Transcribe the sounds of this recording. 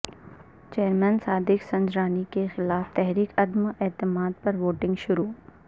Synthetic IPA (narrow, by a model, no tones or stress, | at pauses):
t͡ʃeːɾmɛnsaːd̪ɪksɐ̃ɲd͡ʒɾaːnikexɪlaːft̪ɛɦɾiːkɐd̪mɛːt̪ɪmaːd̪̚pɐɾʋoːʈɪ̃ŋɡʃʊɾuː